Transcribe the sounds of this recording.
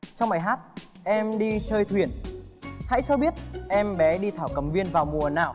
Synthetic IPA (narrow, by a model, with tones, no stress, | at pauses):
t͡ɕɔ˧wŋ͡mma̰ː˧˩˨jɦaː˦˥t̚ | ʔɛ˧mɗi˧t͡ɕəː˧jt̪ʰwi˨˩ənha̰˧˥jt͡ɕɔ˧ɓi˦˥ət̚ʔɛ˧mɓɛ˨˦ɗi˧t̪ʰaː˧˩wkə˨˧˩mvi˧ənvaː˨˩wmu˨˩ənaː˨˩w